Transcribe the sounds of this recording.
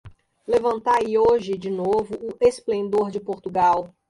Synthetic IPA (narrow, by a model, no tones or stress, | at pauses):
levɐ̃nt̪aioʒɪd͡ʒɪnovʊʊesplẽnd̪oɾd͡ʒɪpoɾt̪uɡaw